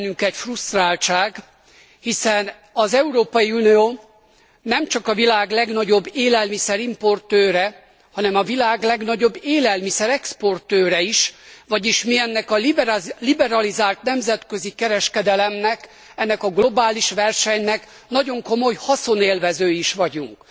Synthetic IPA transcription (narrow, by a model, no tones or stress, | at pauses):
nːyŋkɛcfrust̪raːlt͡ʃaːɡ | hisɛn | ɒzɛuɾoːpɒjiunioː | nɛmt͡ʃɒkɒvilaːɡlɛɡnɒɟo̞bːeːlɛlmisɛɾimpo̞rt̪øːɾɛ | hɒnɛmɒvilaːɡlɛɡnɒɟo̞bːeːlɛlmisɛɾɛkspo̞rt̪øːɾɛiʃʋɒɟiʃmiɛnːɛkɒlibɛɾɒlizaːlt̪nɛmzɛt̪kø̞zikɛɾɛʃkɛd̪ɛlɛmnɛk | ɛnːɛkɒɡlo̞baːliʃʋɛrʃɛɲnɛk | n̪ɒɟo̞ŋko̞mo̞jhɒso̞neːlvɛzøːiʃʋɒɟuŋk